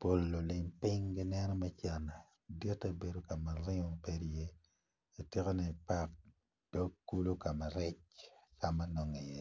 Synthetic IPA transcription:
po˨lːo˨lɪ˨mpɪ˦ŋɡɪ˦nɛ˦nɔ˦mɛ˦t͡ʃa˨na˨ | djɔ˦ta˦be˨do˨ka˨ma˨ɾɪ˦ŋɔ˦pe˦dje˦ | e˨te˦ko˦nɛ˨pa˦k̚ | d̥ɔ˦kːu˦lu˦ka˨ma˨ɾɪ˦t͡ʃka˨ma˦nɔ˨ŋi˨je˦

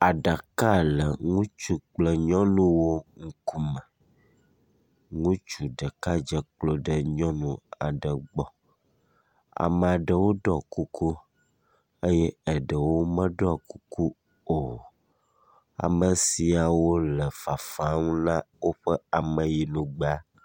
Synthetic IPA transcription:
a˨ɖa˨ka˦lə˨ŋũ˦t͡ʃu˨k͡plə˦ɲɔ̃˦nũ˦wo˦ŋ̩˦ku˦mə̃˨ | ŋũ˦t͡ʃu˨ɖə˨ka˦d͡ʒə˦k͡plo˦ɖə˦ɲɔ̃˦nũ˨a̰˨ɖə˨ɡ͡bɔ˦ | a̰˨mə˨a˨ɖə˨wo˦ɖɔ˦˨ku˦ku˦ | ə˦jɛ˦ə˨ɖə˨wo˦mə̃˦ɖɔ˦˨ku˦ku˦ | o˨ | a̰˨mə˨si˨a˨wo˦lə˨fa˨fa˨˦ŋũ˦nã˦wo˦ɸə˦a˨mə˨ji˨nũ˨ɡ͡ba˦

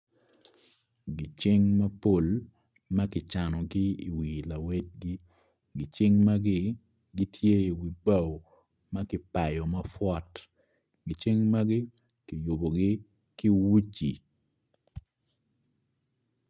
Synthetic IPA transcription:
ɡɪ˨t͡ʃɪ˦ŋmɐ˦po˦˨l | ma˦kɪ˨t͡ʃa˨nɔ˨ɡɪ˦ḭ˨wi˨la˨we˦t̚ɡɪ˦ | ɡɪ˨t͡ʃɪ˦ŋma˦ɡɪ˦ | ɡɪ˦tʰje˦i˨wi˨ba˦˨w | ma˦kɪ˦pa˨jɔ˨mɐ˦fwɔ˦t | ɡɪ˨t͡ʃɪ˦ŋma˦ɡɪ˦ | kɪ˨jo˨bo˨ɡɪ˦ | ki˦wu˦t͡ʃi˨

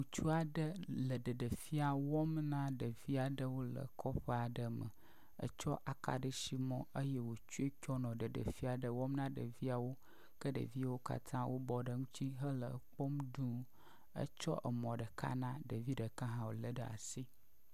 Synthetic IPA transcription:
u˨t͡ʃu˦a˨ɖə˦lə˨ɖə˨ɖə˨fi˦a˨wɔ˦mnã˦ɖə˨vi˦a˨ɖə˦wo˦lə̰˨kʰɔ˦ɸə˦a˨ɖə˨mə̰˨ | ə̰˦t͡ʃɔ˦ʔa˨ka̰˨ɖə˦ʃi˦mɔ̃˦ʔə˦jɛ˦wo˨t͡ʃu˦e˦kʲɔ˦nɔ̃˨ɖə˨ɖə̰˨fi˦a˨ɖə˨wɔ˦mnã˦ɖə̰˨vi˦a˨wo˦ | kə˦ɖə̰˨vi˦wo˦ka̰˦t̪ʰã˦wʔo˦bɔ˨ɖə˦ŋũ˦t̪ʰi˦ɦə˦lə̰˨k͡pɔ˦mdũ˦ | ə̰˦t͡ʃɔ̰˦ʔə˨mɔ̃˨ɖə˨kʰa̰˦nã˦ɖə˨vi˦ɖə˨kã˦ɦã˨wo̰˨lə˨ɖə˨a̰˨si˦

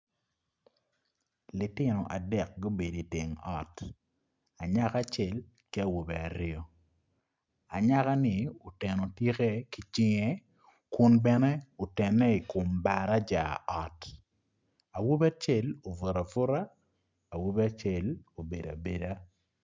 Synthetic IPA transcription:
lɪ˨tɪ˦nɔ˨ʔa˨dɛ˨k̚ɡo˦be˨di˨ti˨ŋɔ˨t | a˨ɲa˦ka˦t͡ʃɛ˨l | kɪ˦a˦˨wo˨bɛ˨a˨ɾɪɔ˦ | a˨ɲa˦ka˦nɪ˨o˨tɛ˨no˨tje˦ke˦ki˨t͡ʃɪ˦ŋe˦ | kʊ˦nbɛ˦nɛ˦o˨tɛ˨nːɛ˦i˨kʊ˨mba˨ɾa˦d͡ʒa˨ʔɔ˨t | a˨wo˦ba˦t͡ʃe˦lo˨vo˨ɾa˨fʊ˦ɾa˦ | a˨wo˦be˦a˦t͡ʃe˨lo˨be˨da˨be˨da˦

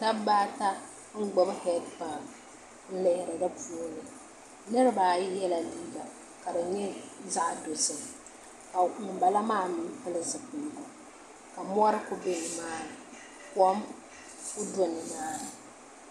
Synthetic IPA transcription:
ta˦baː˦ta˦ | ŋ̩˦ɡ͡bɔ˨˦bhɛ˦t̚pa˨ | n̩˦lɪ˨hɪ˨ɾɨ˨dɨ˦pu˦o˦nɨ˨ | nɨ˦ɾɨ˦baː˨jɪ˦jɛ˦la˨liː˦ɡa˨ | ka˨dɨ˨ɲɛ˦za˦ʔdo˨sɨ˨ | ka˨mɪ˨m˨ba˨la˦maː˦mɪ˨˦pɨ˦lɨ˦zɨ˨pʊ˨˦ba˨ | ka˨mʊ˦ɔ˦ɾɨ˦kʊ˦be˦nɨ˨maː˦˨ | kɔ˦m | kʊ˦dʊ˦nɨ˨maː˦ɨ˨

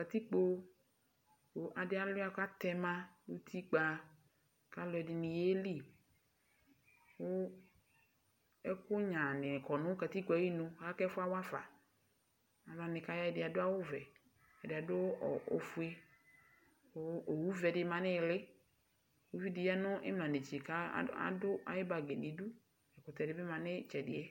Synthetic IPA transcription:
ka˨t̪i˦k͡po˨˦ | wo˨ʔa˨dɪ˦a˦lʊ˦a˦ka˦t̪ɛ˨mã˦lu˦t̪ʰi˦ɡ͡ba˨ | ka˦lɔ˨ɛ˨dɪ˨nɪ̃˨je˦li˦˨ | wʊ˦ | ɛ˦kʊ˦ɲã˨nɪ̃˨kɔ˨nʊ̃˦ka˨t̪i˦kji˦nʊ̃˨˦a˦kɛ˦fʊ˦a˦wa˦va̰˨ | a˨ma˨nɪ˨ka˨˦ja˦ɛ˨dɪ˨a˨dʊ˦a˦wʊ˦vɛ˨ | ɛ˨dɪ˨a˨dʊ˦˨o̰˨fu˦e˦ | ʊ˨o˨wu˦vɛ˨dɪ˨˦ma˨nɪ˦˨lɪ˦˨ | wu˦vi˦dɪ˨ja˦nʊ˦ʔɪ̰˦m˨a˨ne˨t͡ʃe˨ka˦a̰˦dʊ˦a̰˨˦jɪ˦ba˨ɡe˨dɪ˨˦du˦ | ɛ˨kʊ˨tɛ˨dɪ˨˦bɪ˦mã˨nɪ˦t͡ʃɛ˨dɪ˨ɛ˦

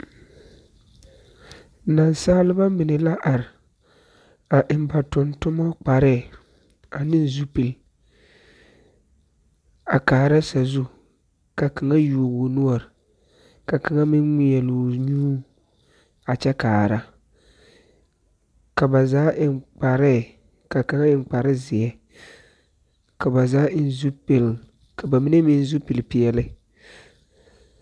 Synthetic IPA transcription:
na˨nsaː˦lɪ˦ba˦mɪ˨nɪ˨la˦ʔa˨ɾɪ˨ | a˨ʔɪ˨mba˨tʊ˨ntʊ˦mɔ˦k͡pa˨ɾɛ˦˨ | a˨nɪ˦n˦zu˦pi˨l | a˨kaː˨ɾa˦sa˨zu˦ | ka˨ka˨ŋa˦ju˨o˨ɣo˨nʊ˦ɔ˨ɾɪ˨ | ka˨ka˨ŋa˦mɪ˦n˦ŋi˦jɛ˨lu˨ɲuː˦ | a˨t͡ʃɛ˦kaː˨ɾa˦ | ka˨ba˨zaː˦ʔɪ˦k͡pa˨ɾɪ˦˨ | ka˨ka˨ŋa˦ɪ˦ŋ˦k͡pa˨ɾɨ˦zɪ˨ɛ˦ | ka˨ba˨zaː˦n˦zu˦pi˨l | ka˨ba˨mi˦nɛ˦mi˦n˦zu˦pi˨lpi˨jɛ˦lɨ˦

